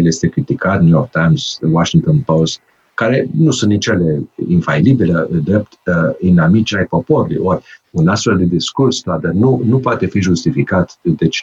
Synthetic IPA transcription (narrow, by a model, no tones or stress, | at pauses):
lje̞st̪e̞kɾit̪ikat̪nujoɾk̚t̪ajmz̥waʃiŋk̚t̪onpost̪ | kaɾe̞nusunt̪nit͡ʃaleinfailibiled̪ɾe̞p̚t̪inamit͡ʃajpo̞po̞ɾulṵjʔorʲunast̪fe̞ld̪e̞d̪iskurst̪ad̪ənunupoat̪e̞fiʒust̪ifikat̪d̪et͡ʃ